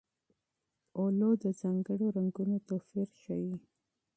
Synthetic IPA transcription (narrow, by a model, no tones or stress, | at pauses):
olod̪əzaŋɡəɽoɾaŋɡunot̪ofiɾʃaji